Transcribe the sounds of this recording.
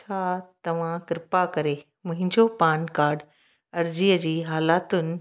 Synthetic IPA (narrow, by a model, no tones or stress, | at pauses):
t͡ɕʰaːt̪ɐʋ̤ãkɪɾɪpakɐɾe | mʊ̃ɦɪ̃ɲd͡ʑopaːnkaːɾɖ | ɐɾd͡ʑiːəd͡ʑiːɦaːlaːt̪ʊnɪ̆